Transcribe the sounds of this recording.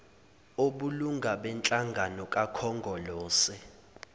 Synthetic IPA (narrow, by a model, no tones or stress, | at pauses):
oɓuluŋɡʱaɓɛnt͡ɬʼaŋɡʱanɔkʼakʰɔŋɡʱɔlɔːsɛ